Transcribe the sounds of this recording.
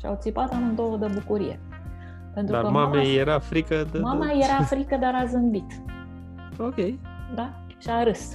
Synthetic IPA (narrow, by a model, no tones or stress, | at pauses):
ʃia̰wt̪sipat̪amund̪owəd̪ebukuɾḭje̞̰ | pe̞nt̪ɾud̪a̰kəmamejeɾafɾikəd̪mamajeɾafɾikəd̪aɾazɨmbit̪ | okʲej | d̪a | ʃiaɾɨs